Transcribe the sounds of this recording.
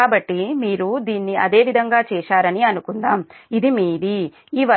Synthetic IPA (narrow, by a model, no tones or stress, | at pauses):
aːbɐʈːimiːɾud̪iːnːiɐ̰d̪e̞ːʋid̪ʱɐŋɡaːt͡ʃɛːʃaːɾɐniɐnukund̪aːmid̪imiːɾi | iːʋɐ